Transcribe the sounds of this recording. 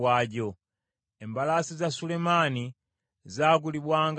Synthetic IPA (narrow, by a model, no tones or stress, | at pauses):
wad͡ʒɔ | ɛmbalasizasulɛmani | zak̬uliɓwaŋɡ